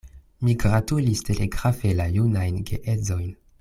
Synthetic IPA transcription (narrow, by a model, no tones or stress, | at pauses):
miɡɾatulistʰe̞lʔeɡɾafe̞lajunajnɡḛʔezo̞jn